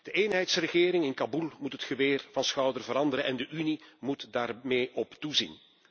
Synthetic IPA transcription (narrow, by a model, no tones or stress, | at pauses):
d̥əʔeːnɦɛjtsrəɣɪːɾɪŋɪnkabulˠmutɦətxəʋeːrvɑnsxœwdərvəɾɑndəɾəʔɛndəʔynimutdaːrmeːʔɔptuzḭn